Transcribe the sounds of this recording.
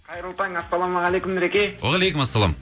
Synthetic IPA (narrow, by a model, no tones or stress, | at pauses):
qʰɑjɾəlˠt̪ɑŋasːɑlˠɑmɑʁalˠejkʊmɪɾekʲewɑʁɑlejkʲʊmasːɑlˠɑ̰m